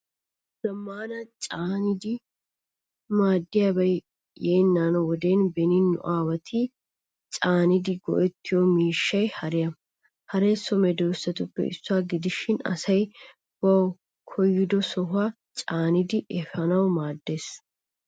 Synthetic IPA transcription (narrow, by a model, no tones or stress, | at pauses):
z̥ɐmːaːnɐt͡ʃʼaːnɪd̪ɪ | maːd̪ːɪjabɐj | jeːnːaːnwɔd̪eːnbɛnɪnːʊ̰ʔaːwɐt̪ʰi | t͡ʃʼaːnɪd̪ɪɡɔ̰ʔɛt̪ːɪjɔmiːʃːɐjhɐɾɪjɐ | hɐɾeːsːɔmɛd̪ɔsɐt̪ʊpːɛ̰ɪ̰sːʊaːɡɪd̪ɪʃːɪnɐ̰sɐj | wɐw | kʰɔjːɪd̪ɔsɔɦʊa | t͡ʃʼaːnɪd̪ɪʔɛfɐnɐwmaːd̪ːe̞ːs